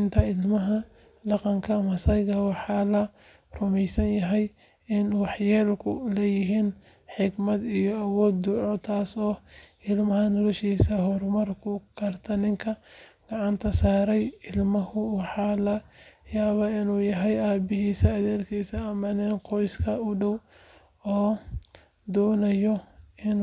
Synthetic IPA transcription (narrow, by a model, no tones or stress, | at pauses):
nt̪ʰɐɪlmɐɦɐ | dɑqɑŋkʰɐmɐsɐjɣɐwɑħɑːlɐ | rʊmɛjsɐnjɐɦɛj | ɪnwɑħjɛːlkʰʊlɛjɪɦiːn | ħɪɡmɐd̪ijɔɐwɔːd̪ːʊʕɔt̪ʰaːsɔː | ɪlmɐɦɐnɔlɔʃiːsɐɦɔrmɐrkʰʊkʰɐrt̪ʰɐnɪŋkʰɐɡ̥ɑʕɑnt̪ʰɐsaːɾɛjɪlmɐhʊwɑħɑːlɐjaːβaːɪnuːjɐɦɛjaːbɪɦiːsɐːðɛːlkʰiːsɐːmɐnɛnqɔjskʰɐʊɖɔw | ɔː | d̪ɔːnɐjɔɪn